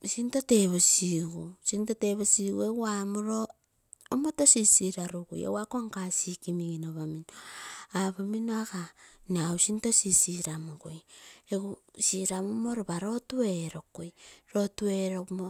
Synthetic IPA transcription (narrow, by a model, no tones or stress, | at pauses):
sintoteβosiɡusintoteβosiɡueɡuamoɾoː | motosisiɾaɾuɡṵjḛɡwakoaŋkasikimiɡinoβaminoaβaminoakanausintosisiɾamoɡojeɡusiɾamumoɾoβaɾo̞tueɾo̞kojɾo̞tueɾomo